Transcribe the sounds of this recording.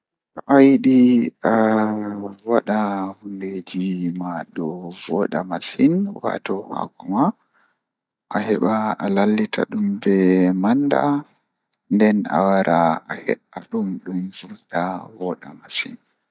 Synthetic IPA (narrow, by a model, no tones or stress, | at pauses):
ʔɔʔajɗia | waɗahunded͡ʒimaɗɔvɔɗamasinwa̰tɔha̰ɡɔma | ʔahɛɓaalalːitʰaɗumbɛmanːda̰ | ndɛna̰waɾʔaʔahɛ̰ɓaɗumɗumzuɾdavɔɗa̰masin